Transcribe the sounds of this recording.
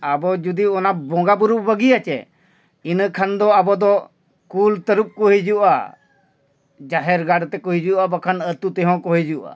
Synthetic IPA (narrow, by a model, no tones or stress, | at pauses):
abɔd͡ʒud̪iɔnabɔ̃ɡabuɾubəɡiat͡ʃɛ̰ | inkʰand̪ɔabɔd̪ɔ | kult̪əɾup̚kɔɦid͡ʒuʔa̰ | d͡ʒaɦɛɾɡaɽt̪ɛkɔɦid͡ʒuʔabakʰanət̪ut̪ɛɦɔ̃kɔɦid͡ʒuʔa̰